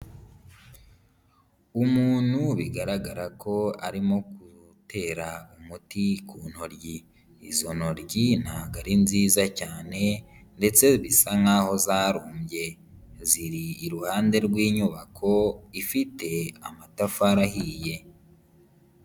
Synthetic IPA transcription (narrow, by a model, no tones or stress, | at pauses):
umuːn̥huβiɡaɾaɡaɾakʰo̞aɾimo̞ku | tʰe̞ːɾaumutikʰuːn̥hoɾɟiː | zo̞no̞ɾɟin̥haɡaɾinziːzacaːne̞nde̞t͡se̞βisaŋaːho̞zaːɾuːmbɟe̞ | ziɾiːɾuhaːnde̞ɾɡwiːɲuβakʰo̞ifitʰe̞amatafaɾahije̞